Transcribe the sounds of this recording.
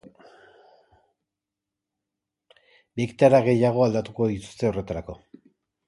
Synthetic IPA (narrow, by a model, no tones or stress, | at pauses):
bikt̪aɾaɣe̞jaɣ̞o̞ald̪at̪uko̞ðit̪u̥st̪e̞ore̞t̪aɾako̞